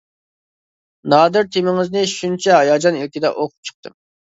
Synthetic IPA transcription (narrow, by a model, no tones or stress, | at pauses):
nɑːd̪ɪɾt̪ʰemɪŋɪznɪʃunt͡ʃʰɛɦɑjɑːd͡ʒɑnilkʲid̪ɛ̰ʔoqʰʊ̥p̚t͡ʃʰə̥q̚t̪ʰɨm